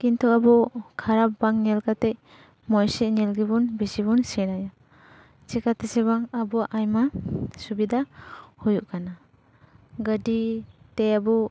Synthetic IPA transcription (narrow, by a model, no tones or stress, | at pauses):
kintʰɔabukʰaɾapbaŋnelkatej | mɔjsenelɡibunbisibunsinaja | sekʰatʰeseβaŋabuʔajmasubidahujuʔkʰana | ɡaditeabu